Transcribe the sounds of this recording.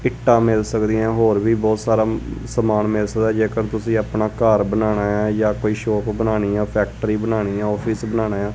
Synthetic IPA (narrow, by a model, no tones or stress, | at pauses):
ɪʈːãːmɪlsəkd̪iːɛ̃ːɦoːɾʋiːbɔːt̪saːɾaːsəmaːnmɪlsək̚d̪aːd͡ʒeːkəɾt̪ʊsĩːaːpnaːkəɾbənaːnaːɛːjaːkoːiːʃɔːpbənaːniːãːpʰɛːk̚ʈəɾiːbənaːniːãːɔːpʰiːsbənaːnaːjaː